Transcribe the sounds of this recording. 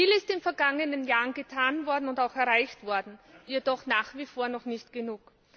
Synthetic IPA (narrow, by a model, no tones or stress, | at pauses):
fiːlɪstɪnfɛɐɡaŋənənjaːʁənɡətʰaːnvɔɐdn̩ʊntaʊxɛɐʁaɪçtv̥ɔɐdn̩jedɔχnaːχv̥iːfoːɐnɔχnɪçtɡ̥ənuːk